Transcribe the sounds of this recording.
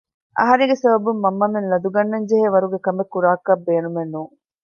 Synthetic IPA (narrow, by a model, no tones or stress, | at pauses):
ʔɐ̰ɦɐɾeŋɡesɐbɐbumːɐmːɐmenlɐd̪uɡɐnːɐɲd͡ʒeɦeːʋɐɾuɡekɐmekːuɾaːkːɐbeːnumenːuːŋ